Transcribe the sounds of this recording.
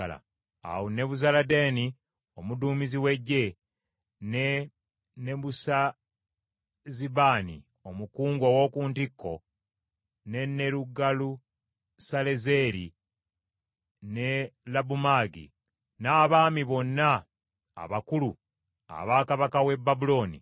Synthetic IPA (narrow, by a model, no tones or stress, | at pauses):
la̰ | a̰wune̞βuzalade̞ːni | o̞muduːmiziwe̞ɟːe̞ | ne | neβusa | ziβaːnḭ | o̞mukuːŋɡo̞wo̞kuːntikːo̞̰ | ne̞nːe̞ɾuɡalu | sale̞ze̞ɾḭ | ne̞labumaɡḭ | naːβaːmiβo̞nːa | a̰βakulu | a̰βaːkaβakawe̞bːabulo̞ːnḭ